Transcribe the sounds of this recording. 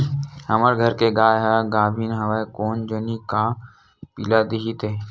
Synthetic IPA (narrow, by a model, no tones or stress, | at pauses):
həməɾɡʱəɾkeɡaːjɦaɡaːbʱiːnɦɐʋekoːnd͡ʒənika | pilad̪iɦit̪eː